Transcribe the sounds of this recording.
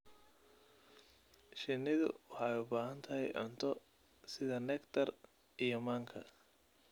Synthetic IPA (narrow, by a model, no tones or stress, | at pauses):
ʃɪnːɪðʊ̰wɑħɑjʊbaːɦɐnt̪ʰɐɦɛ̰jʕʊ̰nt̪ʰɔ | sɪðɐnɛkt̪ʰɐr | ʔijɔmaːŋkʰɐ̰